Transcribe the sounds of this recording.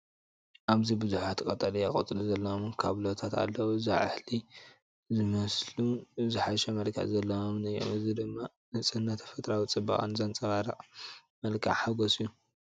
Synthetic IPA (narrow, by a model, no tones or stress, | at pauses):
ʔaβzibɨzuħat̪ʰkʼɐt̪ʼɐlijakʼɐt̪ʼɨluzɐlːɐomkʰa̰βlot̪ʰat̪a̰lːɐwuzaʕɨ̰ħli | zɨmɐsluzɨħaʃɐmɐlkʰɐ̰ʕzɐlːɐwomnɨjːo̰mɨzid̪ɨmːa | nɨt͡sʼɨnːat̪ʰɐ̥fɐt̪ʼɾawit͡sʼɨba̰χʼa̰nzɐnt͡sʼɐβaɾɐ̰ʔʼ | mɐlkʰa̰ʕħaɡosɨjːu